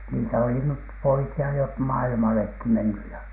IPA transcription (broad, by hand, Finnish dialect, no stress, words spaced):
niːtæ oli nyt poikiɑ jo p mɑilmɑlekːi menːy jɑ